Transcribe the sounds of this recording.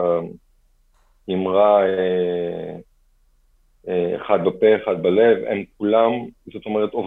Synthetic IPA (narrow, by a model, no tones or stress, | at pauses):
imʁae | ḛχad̪̚bapeχad̪̚balevḛmk̚ulamzot̪o̞meʁ̞et̪ov